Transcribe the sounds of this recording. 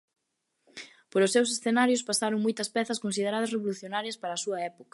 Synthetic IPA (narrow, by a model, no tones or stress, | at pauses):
poɾʊsːews̬esθenaɾjʊspasaɾoŋmojt̪ɐspɛθɐskons̬ið̞eɾað̞ɐsreβoluθjonaɾjɐspaɾɐːsuɐɛpokɐ̥